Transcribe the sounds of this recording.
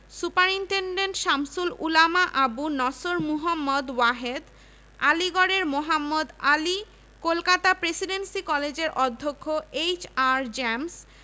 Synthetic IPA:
supaɾiɳʈeɳɖenʈʃamsululamaʔabunɔsoɾmuɦamːod̪waɦed̪ | aliɡɔɽeɾmoɦamːod̪ali | kolkat̪apɾesiɖensikɔled͡ʑeɾʔɔd̪ʱːokʰːoejt͡ɕaɾd͡ʑɛms

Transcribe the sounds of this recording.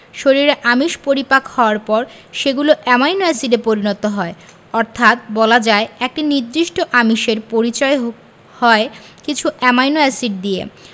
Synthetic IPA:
ʃoɾiɾeʔamiʃpoɾipakhɔoaɾpɔɾ | ʃeɡuloʔɛmajnoɛsiɖepoɾinot̪oɦɔe | ɔɾt̪ʰat̪̚bɔlad͡ʑaeek̚ʈiniɾd̪ɾiʃʈoʔamiʃeɾpoɾit͡ɕɔe | hɔekit͡ɕʰuʔɛmajnoɛsiɖ̚d̪iḛ

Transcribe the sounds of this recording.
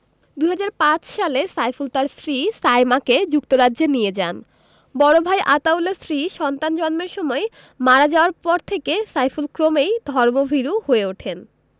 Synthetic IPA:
d̪uɦad͡ʑaɾpãt͡ɕʃalesajfult̪aɾsɾisajmaked͡ʑuk̚t̪oɾadːʑenijed͡ʑan | bɔɽobʱajʔat̪awlesɾiʃɔnt̪and͡ʑɔnmeɾʃɔmɔe | maɾad͡ʑaoaɾpɔɾt̪ʰekesajfulkɾomejd̪ʱɔɾmobʱiɾuhoeoʈʰen

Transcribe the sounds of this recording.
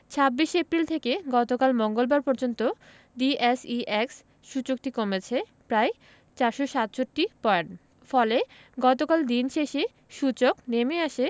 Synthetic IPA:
t͡ɕʰabːiʃepɾilt̪ʰekeɡɔt̪okalmoŋɡolbaɾpɔɾd͡ʑont̪o | ɖiesiʔɛks | ʃut͡ɕok̚ʈikomet͡ɕʰe | pɾae | t͡ɕaɾʃoʃat̪ʃʰoʈːipɔɖ | fɔle | ɡɔt̪okald̪inʃeʃe | ʃut͡ɕoknemeaʃe

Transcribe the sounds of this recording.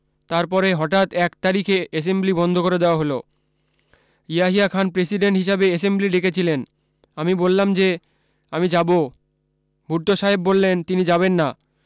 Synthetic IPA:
t̪aɾpɔɾeɦɔʈat̪ɛkt̪aɾikʰeʔes̬emblibɔnd̪ʱokoɾed̪eoaɦolo | ijaɦiakʰanpɾesiɖeɳʈɦiʃabees̬embliɖekʰet͡ɕʰilen | amibolːamd͡ʑe | amid͡ʑabo | bʱuɾt̪oʃaɦebbolːent̪inid͡ʑaβenːa

